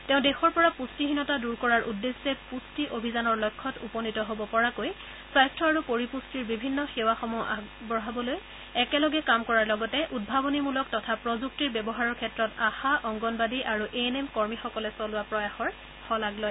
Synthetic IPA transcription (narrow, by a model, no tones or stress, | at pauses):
tɛ̃ʊ̃dexɔɹpɔɹapustiɦinɔtaduɹkɔɹaɹʔudːesːɛpustiʔobʱizanɔɹlɔjkʰːɔtṵpɔnitɔɦobɔpɔɹakoj | sajstɹɔaɹupoɹipustiɹbibʱinːɔxewaxɔmɔʔabɔɦabɔloj | ɛkɛlɔɡɛkamkɔɹaɹlɔɡɔtɛʔud̚bʱabɔnimulɔk̚tɔtʰapɹɔzuk̚tiɹbɛbɔɦaɹɔɹkʰɛtɹɔtaxaʔɔŋɡɔnbadiʔaɹuʔenemkɔɹmixɔkɔlɛsɔlʊapɹɔjaxɔɹ | hɔlaɡloj